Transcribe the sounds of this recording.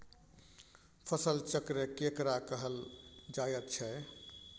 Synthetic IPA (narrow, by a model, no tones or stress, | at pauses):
pʰəsəlt͡ʃəkɾekekɾakəɦəld͡ʒajət̪̚t͡ʃʰɛ